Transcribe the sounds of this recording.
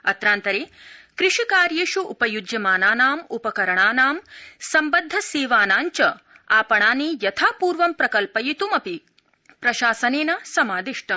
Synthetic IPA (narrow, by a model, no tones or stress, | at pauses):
ɐt̪ɾaːnt̪ɐɾeːkɾɪʂikaːɾjeːʃuʔːpɐjud͡ʒjɐmaːnaːnaːmupɐkɐɾɐɳaːnaːmsɐmbɐd̪ʱːɐseːʋaːnaːɲt͡ʃɐ | aːpɐɳaːniːjɐt̪ʰaːpuːɾʋɐmpɾɐkɐlpɐjit̪umɐpi | pɾɐʃaːsɐneːnɐsɐmaːd̪iʂʈɐ